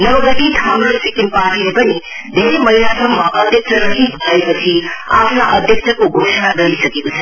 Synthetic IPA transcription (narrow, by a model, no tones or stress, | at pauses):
nʌwɡʌʈiʈʰamɾosikinpaʈilepʌni | d̪eɾmʌɦilat̪ʰʌmmaʔʌd̪ʱjʌk̚sʰʌɾʌɦibʱolaepʌt͡sʰia̰pʰnaʔʌd̪ʱjək̚sʰʌkoɡʱosənaɡʌɾisʌkekot͡sʰʌ